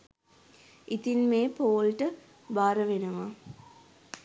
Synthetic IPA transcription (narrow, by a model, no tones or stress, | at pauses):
it̪inmeːpoːlʈə | baːɾəʋenəʋa